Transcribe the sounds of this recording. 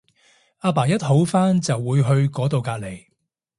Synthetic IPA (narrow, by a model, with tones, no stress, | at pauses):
aː˧p̬aː˨˩jɐ˥t̚ho˨˥wfaː˥nt͡sɐ˨wːuː˨˧jɦɵ˧ɥkɔː˨˥t̪o˨wkaː˧t̚le˨˩j